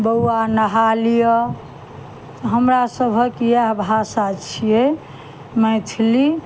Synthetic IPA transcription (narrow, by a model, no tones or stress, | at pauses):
bəwanəɦalijə | t̪ɔɦəmɾasəbʱəkijaɦbʱasat͡ʃʰije | mət̪ʰili